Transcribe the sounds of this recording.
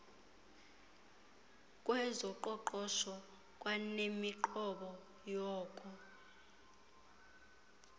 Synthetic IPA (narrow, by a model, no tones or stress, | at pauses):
kʼwɛzɔǃɔǃɔʃɔ | kʼwanemiǃɔɓɔ | jɔːkʼɔ